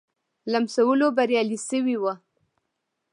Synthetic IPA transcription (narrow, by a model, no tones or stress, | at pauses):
lamsawəlobaɾjɑlisəwiwa